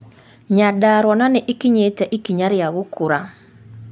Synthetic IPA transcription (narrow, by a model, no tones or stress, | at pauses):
ɲadaɾwɔnanɪʔikiɲetaʔikiɲaɾjaɣʊkuɾa